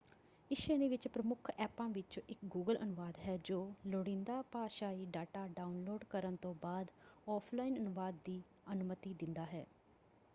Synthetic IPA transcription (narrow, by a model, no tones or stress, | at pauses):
ɪʃeːnẽːʋɪt͡ʃpɾəmʊkʰɛːpãːʋɪt͡ʃoʔɪkɡuːɡəlʔə̰nʊʋaːd̪ɦɛːd͡ʒoːloɽɪ̃nd̪aːpaːʃaːiːɖaːʈaːɖaːʊnloːɖkəɾənt̪õːbaːd̪ɔːpʰlaːinənʊʋaːd̪ːiː | ənʊmət̪iːd̪ɪnd̪aːɦɛ̰ː